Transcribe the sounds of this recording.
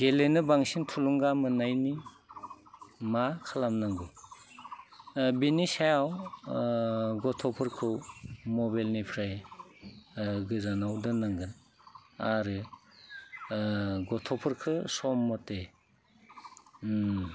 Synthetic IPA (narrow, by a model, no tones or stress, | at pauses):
ɡelenɯbaŋsintʰuluŋɡamɯnajni | makʰalamnaŋɡu | binisajaw | ɡɔtʰɔpʰɯɾkʰɯwmɔbalnipʰɾaj | ɡɯzanawdɯnaŋɡɯ | aɾɯ | ɡɔtʰɔpʰɯɾkʰɯsɔmːɔte